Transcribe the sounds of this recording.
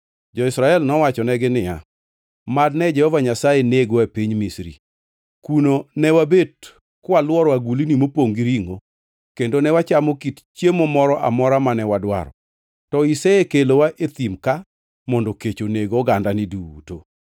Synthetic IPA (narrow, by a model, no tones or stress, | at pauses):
d͡ʒɔɪsɾaɛlnɔwat͡ʃɔnɛɡɪnɪja | madnɛd͡ʒɛhɔvaɲasajeneɡwapiɲmisɾḭ | kunonɛwabed̚ | kwalwɔɾwaɡulinimopoŋɡiɾiŋo̰ | kendonɛwat͡ʃamɔkitt͡ʃjemɔmɔɾɔʔa̰mɔɾamanɛwadwa̰ɾɔ̰ | tɔiseekelowaʔet̪imka | mɔndɔket͡ʃoneɡoɡandanɪduṵto